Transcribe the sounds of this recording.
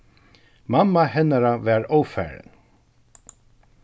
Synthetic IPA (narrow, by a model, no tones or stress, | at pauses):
mamːaɦɛnaɾaʋɛɹoːwfæ̰ːɾɪ̰n